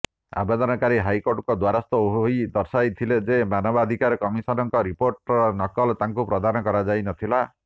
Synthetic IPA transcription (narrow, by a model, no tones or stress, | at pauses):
a̰bed̪ɔnɔkaɾiɦajkoɾʈkɔd̪waɾɔst̪ɔojd̪ɔɾsajt̪ʰiled͡ʒemanɔbad̪ʱikaɾɔkɔmisɔnɔŋkɔɾipoɾʈɾɔnɔkɔlt̪aŋkupɾɔd̪ʱanɔkɔɾad͡ʒajnɔt̪ʰila